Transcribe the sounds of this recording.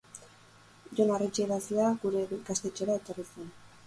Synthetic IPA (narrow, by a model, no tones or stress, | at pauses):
ʝo̞naret͡ʃeɾasiaɡuɾe̞ɡast̪e̞t͡ʃe̞ɾae̞t̪o̞risen